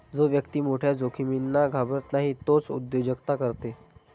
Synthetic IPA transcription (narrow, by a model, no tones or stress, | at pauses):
d͡zoʋjəkt̪iːmoʈʰjad͡zokʰiminːaɡʱabɾət̪naɦiːt̪ot͡sṵd̪jod͡ʑəkt̪akəɾt̪e